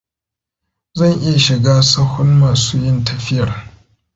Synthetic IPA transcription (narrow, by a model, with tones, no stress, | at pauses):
zɐ˦˨ɲʔɪ˦ja˨ʃɪ˨ɡaː˦sɐ˦hʊ˦nmaː˨suː˦jɪ˦ntɐ˨ɸɪ˦jɐ˨r